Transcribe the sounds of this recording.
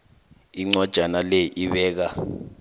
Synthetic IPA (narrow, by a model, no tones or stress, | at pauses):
iŋ͡ǀad̥ʒ̥ʱanalejiʔiɓɛːk̬a